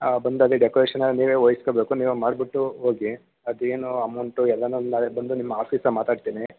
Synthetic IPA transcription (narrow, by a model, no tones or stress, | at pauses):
bɐnd̪ɐd̪iɖekoɾeːʂɐnɐniːʋeːoːjisi̥kobe̞ːkuniːʋumaːɖbiʈːuɦo̞ːɡi | ɐd̪eːnuɐmɐwɳʈuɛlːɐnunaːlebɐnd̪unimːɐaːpʰiːsɐmaːt̪aːɖt̪iːni